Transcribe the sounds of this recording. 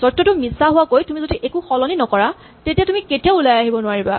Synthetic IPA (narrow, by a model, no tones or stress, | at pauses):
sɔtːɔtʊmisaɦʊwakojtumizodiʔekʊxɔlɔninɔkɔɹa | tetiatumiketiaʊulajaɦibɔnʊaɹiba̰